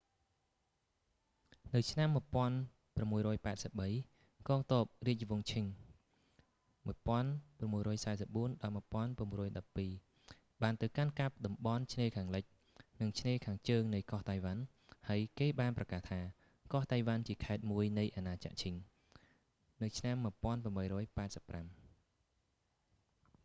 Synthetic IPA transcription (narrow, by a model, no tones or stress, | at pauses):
nɨwt͡ɕʰnamːŭəjpŏən | pramːuəjrɔːjpaɛt̪̚səp̚ɓəj | kɑːŋt̪ɔəp̚riəc̚ʋʊəŋt͡ɕʰiŋ | muəjpŏənpramːuəjɾɔːjsaɛsəp̚ɓuənɗɑlmŭəjpŏənpraəmrɔːjɗɑpːiː | ɓaːnt̪ɨwkankap̚ɗɑmɓɑnt͡ɕʰneːkʰaːŋlɨc̚ | nɨŋt͡ɕʰneːkʰaːŋt͡ɕəːŋnɨjkoht̪ajʋan | haəjkeːɓaːnprɑkaːht̪ʰaː | kɑht̪ajʋant͡ɕiəkʰaɛt̪̚muəjnɨjʔanaːt͡ɕa̰ʔt͡ɕʰiŋ | nɨwt͡ɕʰnamːuəjpŏənpramɓəjɾɔːjpaɛt̪̚səpːram